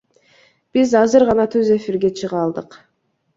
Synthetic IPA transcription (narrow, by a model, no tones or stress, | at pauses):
b̥izɑzɯɾʁɑnɑt̪ʰøze̞fiɾɡe̞t͡ʃʰɯʁɑlˠd̪ɯq